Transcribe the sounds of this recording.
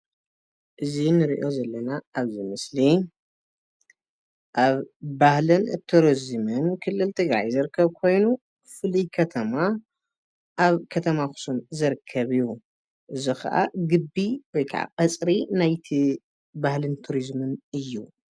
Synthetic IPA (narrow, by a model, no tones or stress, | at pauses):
ʔɨzinɨɾḭʔo̞zɐlːɐnaaβzɨmɨsli | ʔaβbahlɨnt̪ʰuɾizmɨnkʰɨlːɨlt̪ʰɨɡɾa̰jzɨɾkʰːɐβkʰo̞jnu | fɨlijkʰɐt̪ʰɐma | ʔaβkʰɐt̪ʰɐmaxʊ̥sumzɨɾkʰːɐβɨju | ʔɨzixɐ̰ʔa̰ɡɨbːiwɔjkʰa̰ʕa̰qʼɐt͡sʼɾinajt̪ʰi | bahlɨnt̪ʰuɾizmɨnɨjːu